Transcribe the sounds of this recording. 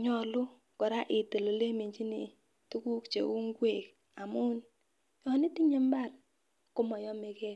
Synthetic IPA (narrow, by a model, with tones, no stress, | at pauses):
ɲɔ˨lʊ˦ | kɔ˨ɾa˦ʔɪ˨tə˨lo˨le˦mi˨ɲt͡ʃi˦ni˨ | tu˦ku˦kt͡ʃḛ˨u˦ŋɡwe˨k̚ | a˨mu˦n | jɔ˨ni˦ti˦ɲe˦mba˦˨r | kʊ˦mɔ˨jɔ˦me˨ke˦t